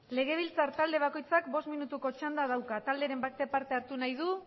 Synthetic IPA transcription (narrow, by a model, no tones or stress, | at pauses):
le̞ɣ̞e̞β̞ilt͡saɾt̪ald̪e̞β̞ako̞jt͡sakbo̞st̪minut̪uko̞t͡ʃand̪aðawkat̪ald̪eɾe̞mbakt̪e̞paɾt̪e̞aɾt̪unajð̞u